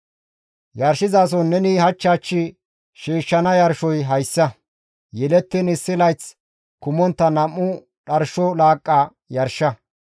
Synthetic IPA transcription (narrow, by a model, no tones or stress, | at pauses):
jɐɾʃɪzaːs̬ɔnːɛnɪhɐt͡ʃːaːt͡ʃːɪ | ʃiːʃːɐnɐjɐɾʃɔjɦɐjsːɐ | jɛlɛt̪ːɪnɪsːɪlɐjt͡s | kʊmɔnt̪ːɐnɐmːʊ | ɗɐɾʃɔlaːkʼːa | jɐɾʃɐ